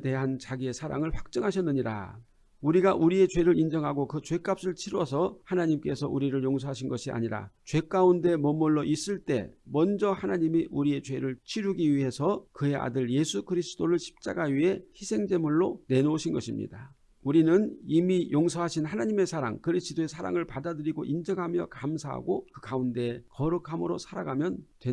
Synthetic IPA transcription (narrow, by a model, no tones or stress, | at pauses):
te̞ɦant͡ɕaɡie̞sʰaɾa̰ŋɯɭɸwak̚t͡ɕ͈ʌŋɦaɕ̬ʰʌnːɯɲiɾa̰ | uɾiɡaʔuɾie̞t͡ɕwe̞ɾɯɾind͡ʑʌŋɦaɡokɯt͡ɕwe̞k͈ap̚s͈ɯɭt͡ɕʰiɾwʌsʰʌhanaɲimk͈e̞sʰʌʔuɾiɾɯɭjoŋsʰoɦaɕ̬ʰinɡʌɕʰiʔa̰ɲiɾa̰t͡ɕwe̞k͈aunde̞mʌmɯɭːoʔis͈ɯɭt͈e̞̰mʌnd͡ʑʌhanaɲimiʔuɾie̞t͡ɕwe̞ɾɯɭt͡ɕʰiɾuɡiɥiɦe̞sʰʌkɯe̞ʔa̰dɯɭje̞sʰukɯɾisʰɯ̥d͈oɾɯɭɕʰi̥p̚t͡ɕ͈a̰ɡaɥiɦe̞çisʰe̞ŋd͡ʑe̞muɭːone̞noɕʰinɡʌɕʰimɲḭda | uɾinɯnimijoŋsʰʌɦaɕʰinhanaɲime̞sʰaɾa̰ŋkɯɾisʰɯdoe̞sʰaɾa̰ŋɯɭpadadɯɾiɡo̰ʔind͡ʑʌɡɦamjʌkamsʰaɦa̰ɡokɯkaunde̞kʌɾɯkʰamɯɾosʰaɾaɡamjʌntwe